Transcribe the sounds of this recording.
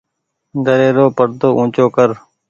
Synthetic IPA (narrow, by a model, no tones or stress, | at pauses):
d̪ʱəɾeːɾoːpəɽt̪oːʔũːt͡ʃoːkəɾ